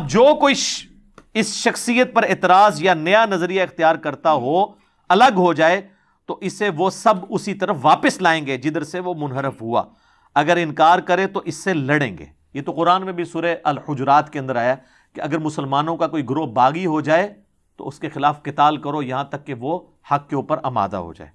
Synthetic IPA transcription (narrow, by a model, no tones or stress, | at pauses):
ɐb̚d͡ʒoːkoiʃ | ɪsʃɐxsijət̪̚pɐɾeːt̪ɪɾaːzjanɐjanɐzɾijaɪxt̪ijaːɾkɐɾt̪aɦoː | ɐləɡɦod͡ʒaːe | t̪oʔɪsːeʋosɐbʊsit̪ɐɾəfʋaːpəslaːẽːŋɡeːd͡ʒɪd̪əɾseʋomʊnɦəɾɪfɦua̰ː | ɐɡəɾɪ̃nkaːɾkɐɾẽt̪oʔɪsːelɐɽḛ̃ːŋɡḛː | jeːt̪oqʊɾaːnmẽbʱisuːɾeʔɐlhʊd͡ʒɾaːt̪keɐ̃nd̪əɾaːjaɛ | keɐɡəɾmʊsəlmaːnõkakoːiɡɾoɦbaːɡiɦod͡ʒaːe | t̪o̰ʊskexɪlaːfqɪt̪aːlkɐɾojɐɦãt̪ɐkːeʋo | hɐkːeuːpəɾɐma̰ːd̪a̰ɦo̰d͡ʒa̰ːeː